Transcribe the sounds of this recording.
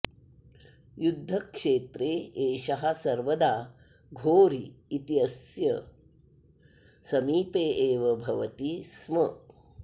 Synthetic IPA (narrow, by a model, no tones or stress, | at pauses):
jud̪ʱːɐkʂeːt̪ɾeːeːʃɐɦɐsɐɾʋɐd̪aː | ɡʱoːɾiːt̪iɐsjɐ | sɐmiːpeːʔeːʋɐbʱɐʋɐt̪ismɐ